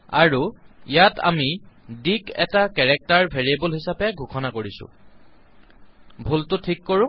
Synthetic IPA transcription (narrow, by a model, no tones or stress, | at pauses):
aɹuijatʰa̰midikɛ̰takɛɹɛk̚taɹbʱeɹiebolɦisapɛɡʱukʰɔnakoɹisʊ̰ | bʱultʊtʰikːoɹʊ̃